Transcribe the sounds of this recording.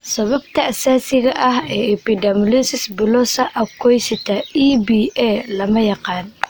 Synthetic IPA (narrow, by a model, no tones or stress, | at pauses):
sɐβɐbt̪ʰɐɐsaːsɪɣɐʔɐɦɛːɛpɪd̪ɐmlisɪsbʊlɔsɐʔɐkʰɔjsɪt̪ʰɐibiːɛlɐmɐjɑqɑːn